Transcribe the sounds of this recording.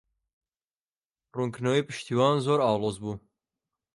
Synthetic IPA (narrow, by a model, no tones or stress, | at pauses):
ruŋknoipɨʃt̪ʰiːwɑːnzoːɾɑːwlˠozbuː